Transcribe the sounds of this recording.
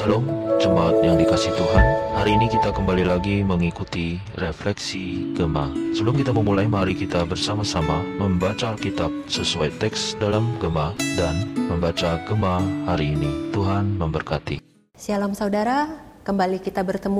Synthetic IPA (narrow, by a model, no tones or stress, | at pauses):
səblʊmd͡ʒəmaːt̪̚jaŋdikasiht̪uɦanhaɾiːnikit̪akəmbalilaɡiməŋikut̪i | reflɛksiɡəma̰səbəlʊmkit̪aməmulajmaɾikit̪abərsamasamaməmbat͡ʃaːlkit̪ap̚səsuajt̪ɛksdalamɡəmadanməmbat͡ʃaɡəmahaɾiːnit̪uɦanməmbərkat̪ḭ | sialamsaudaɾakəmbalikit̪abərt̪əmu